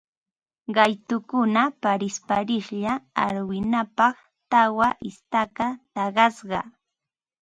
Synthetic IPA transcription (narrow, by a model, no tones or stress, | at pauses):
ɢɑjt̪ʊkʊnapaɾɪspaɾɪχʎaa̰ɾwɪnapɑχ | t̪awaʔɪst̪akat̪ɑɢɑsɢɑ̰